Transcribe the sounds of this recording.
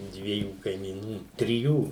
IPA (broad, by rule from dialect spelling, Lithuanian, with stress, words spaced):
ˈdʲʋʲiɛjuː kɐɪmʲiːˈnuː tʲrʲɪˈjuː